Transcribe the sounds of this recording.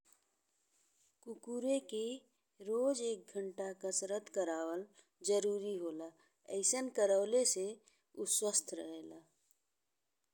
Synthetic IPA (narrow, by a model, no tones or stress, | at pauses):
kukuːɾeke | ɾoːd͡ʒeːk̚ɡʱəɳʈakəsɾət̪kəɾaːwəl | d͡ʒəɾuːɾiɦoːla | ə̰ɪsənkəɾəːlese | uswəst̪ʰɾə̰ɦeːlaː